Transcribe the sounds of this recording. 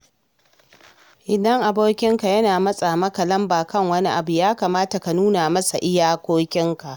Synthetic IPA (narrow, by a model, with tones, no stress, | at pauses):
ʔɪ˨dɐ˦ŋʔa˨boː˦kʲɪ˦ŋka˨jɐ˦naː˨mɐ˦sʼa˨mɐ˦ka˨lɐ˦mbaː˨kɐ˦ŋwɐ˦ni˦ʔa˨bu˨jaː˦kaː˨maː˦ta˨ka˨nuː˦na˨mɐ˦sa˨ʔɪ˦jaː˦kʷoː˦kʲɪ˦ŋka˨ʔ